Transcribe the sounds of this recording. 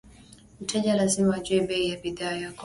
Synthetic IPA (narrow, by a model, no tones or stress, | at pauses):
m̩tʰɛʄalazimaːʄuɛɓɛijaɓiðaːjak